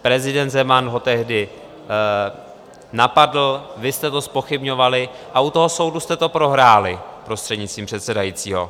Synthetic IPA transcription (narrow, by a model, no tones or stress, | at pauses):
pɾɛzɪdɛnt̪zɛmanɦo̞t̪ɛɦdɪ | napadl̩vɪst̪ɛt̪o̞spo̞xɪbɲo̞valɪ | ʔaut̪o̞ɦoso̞wdust̪ɛt̪o̞pɾo̞ɦɾaːlɪpɾo̞st̪r̥ɛdɲɪtt͡st̪viːmpr̝̥ɛt̪sɛdajiːt͡siːɦo̞̰